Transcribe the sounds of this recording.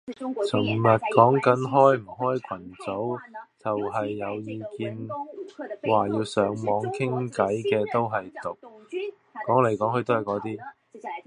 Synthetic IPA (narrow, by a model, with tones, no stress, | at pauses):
t͡sʰʊ˨˩ŋmɐ˨˩t̚kɔː˨˥ŋkɐ˨˥nɦɔː˥jm̩˨˩ɦɔː˥jkʷʰɐ˨˩nt͡so˨˥wt͡sɐ˨wɦɐ˨jːɐ˨˧wjiː˨˧kiː˧n | waː˨jiː˧wsœː˨˧˥ŋmɔː˨˧ŋkʰɪ˥ŋkɐ˨˥jkɛː˧t̪o˥wɦɐ˨jt̪ʊ˨k̚ː | ɔː˨˥ŋle˨˩jkɔː˨˥ŋhɵ˧t̪o˥whɐ˨˩jkɔː˨˥t̪iː˥